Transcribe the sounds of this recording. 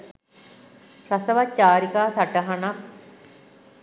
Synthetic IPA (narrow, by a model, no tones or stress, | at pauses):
sɐsɐʋat͡ɕːaːɾikaːsɐʈɐɦɐɳɐ